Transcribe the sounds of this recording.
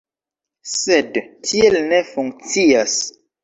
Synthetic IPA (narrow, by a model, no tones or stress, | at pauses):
sedtʰielnefuŋk̚t͡sias